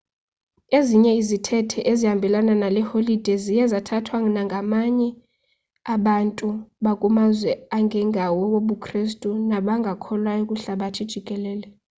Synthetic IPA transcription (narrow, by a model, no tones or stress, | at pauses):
eziɲɛizitʰɛtʰɛʔezihambʱɛlananalɛholid̥ʱɛzijɛzatʰatʰwaŋinaŋɡʱamaɲɛ | aɓantʼuɓakʼumazwɛaŋɡʱɛŋɡʱawɔwoɓukʰʼristʼunaɓaŋɡʱakʰɔlwajokʼuɬaɓatʰid̥ʒ̥ʱikʼɛlɛːlɛ